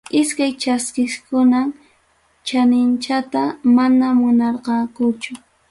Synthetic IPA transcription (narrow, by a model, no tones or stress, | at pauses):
ɪskajt͡ʃaskɪskʊnam | t͡ʃanɪnt͡ʃat̪amanamʊnɑɾqɑkʊt͡ʃʊ